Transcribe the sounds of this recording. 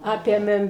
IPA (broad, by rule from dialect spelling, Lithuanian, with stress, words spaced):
ˈɑːpʲeːmʲeːm